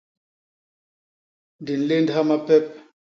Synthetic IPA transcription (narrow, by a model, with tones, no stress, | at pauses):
di˨n˨le˦ndha˦ma˦pɛ˦p̚